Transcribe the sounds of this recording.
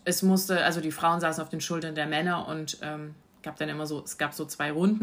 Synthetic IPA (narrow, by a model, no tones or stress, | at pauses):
ʔɛsmʊstəʔalzodiːfʁ̥aʊənzaːsn̩aʊfd̥eːnʃʊltɐndeːɐmɛnɐʔʊ̰ntʔɛːm | ɡ̥aːp̚d̥anʔɪmɐzoːɛsɡ̥aːpz̥oːt͡sv̥aɪʁʊndn̩